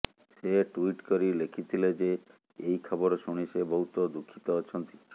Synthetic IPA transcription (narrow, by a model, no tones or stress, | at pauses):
seʈuiʈkoɾilekʰit̪ʰiled͡ʒe | ejkʰɔboɾʃuɽ̃iʃebɔɦut̪ɔd̪ukʰːi̥t̪ɔːt͡ʃʰɔnt̪i̥